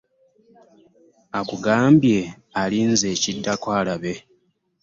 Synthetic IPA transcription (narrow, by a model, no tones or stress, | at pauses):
akuɡaːmbje̞ | alinze̞ːcidːakwaːlaβe̞